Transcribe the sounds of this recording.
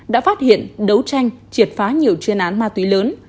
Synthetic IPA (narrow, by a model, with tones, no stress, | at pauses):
ɗa̰ː˧˥faː˦˥t̚hḭ˧˨ənɗə˨˦wt͡ɕa˧jŋ̟t͡ɕi˨˩ət̚faː˨˦ɲi˨˩əwt͡ɕnʔaː˨˦nmaː˧t̪wi˨˦ləː˨˦n